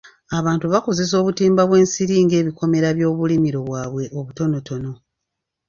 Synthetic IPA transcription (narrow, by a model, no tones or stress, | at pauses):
aβaːntuβako̞ze̞s̬o̞ːβutiːmbaβwe̞ːnsiɾiːŋɡe̞ːβiko̞me̞ɾaβjo̞ːβulimiɾo̞βwaːβwe̞ʔoβuto̞no̞to̞no̞